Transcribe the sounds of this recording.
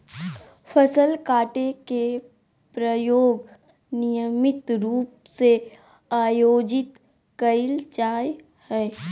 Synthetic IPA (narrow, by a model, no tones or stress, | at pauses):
fʰəsəlkaːʈeke | pɾəjoːɡ | nɪjəmɪt̪ɾuːp̚ | se | aːjoːd͡ʒɪt̪ | kəɪlt͡ʃaːj | hɛː